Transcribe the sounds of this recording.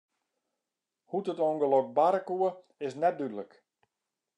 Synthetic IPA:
hutətoŋɡəlok̚baɾəkuə | ɪsnɛt̚dydələk

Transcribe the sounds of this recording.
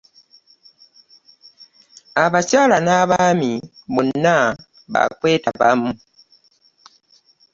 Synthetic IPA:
aβacaːlanaβamiβonːa | βa̰kwe̞ːtaβa̰mu

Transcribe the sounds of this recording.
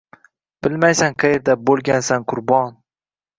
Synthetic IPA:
b̥ɪlmajsaŋqʰɑjeɾd̪abolˠɡʲansanqʰʊɾbɒn

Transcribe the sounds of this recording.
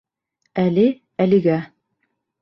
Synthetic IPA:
ælɘ | æliɡæ

